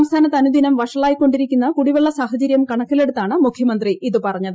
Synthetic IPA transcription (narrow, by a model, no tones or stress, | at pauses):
ɐmst̪ʰaːnɐt̪ːɐnud̪ʱinɐmʋɐʂɐɭaːjikːo̞ɳɖiɾikʲːunːɐkuɽiʋeɭːɐsaːhɐt͡ɕɐɾjɐmkɐɳɐkːile̞ɽut̪ːaːɳɨmukʰjɐmɐnd̪riʔiðɨpɐrɐɲːɐðɨ